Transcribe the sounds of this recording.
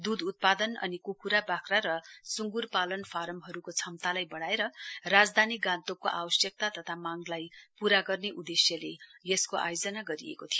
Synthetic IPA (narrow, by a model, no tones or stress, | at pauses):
d̪ud̪ut̪̚pad̪ʌnʌ̰nikukuɾabakraɾʌsuŋɡurpalʌnpʰaɾʌmɦʌɾukot͡sʰʌmt̪alajbʌɽaeɾʌrad͡zd̪ʱaniɡãnt̪okoʔabʌsjʌk̚t̪at̪ʌt̪ʰamaŋlajpuɾaɡʌrneʔud̪esjʌlejeskoʔa̰jod͡zʌnaɡʌɾiḛkot̪ʰijo